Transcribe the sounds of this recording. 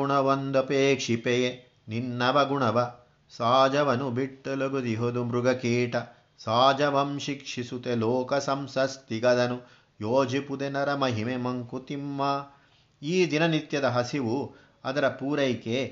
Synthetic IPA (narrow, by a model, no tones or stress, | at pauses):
uɳɐʋond̪ɐpeːkʂipeje | ninːɐʋɐɡuɳɐʋɐ | saːd͡ʒɐʋɐnubiʈːɐloɡud̪iɦod̪umɾuɡɐkiːʈɐ | saːd͡ʒɐʋɐmʃikʂisut̪eloːkɐsɐmsɐst̪iɡɐd̪ɐnu | joːd͡ʒipud̪enɐɾɐmɐɦimemɐŋkut̪imːaː | iːd̪inɐnit̪jɐd̪ɐɦɐsiʋu | ɐ̰d̪ɐɾɐpuːɾɐjke